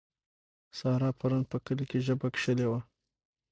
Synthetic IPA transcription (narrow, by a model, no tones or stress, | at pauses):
sɑɾɑpʰaɾunpəkəlkeʒəbakʂəlewa